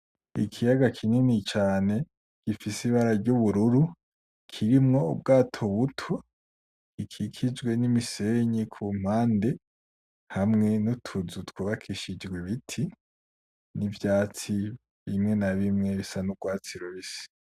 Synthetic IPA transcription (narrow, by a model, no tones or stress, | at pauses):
ḭkʰijaɡakʰininit͡ʃaːne̞ | ɡ̥ifisiβaɾaɾɟuβuɾuɾu | kʰiɾimŋo̞ṵb̚ɡaːtʰo̞βutʰo | ikʰikʰid͡ʒɡwe̞nimise̞ɲikʰuːm̥haːnde̞ | hamŋe̞nutʰuzutwuβakʰiʃid͡ʒɡweβitʰi | nivjaːt͡si | βimŋe̞naβimŋe̞βisanuɡ̥waːt͡siɾoβisi̥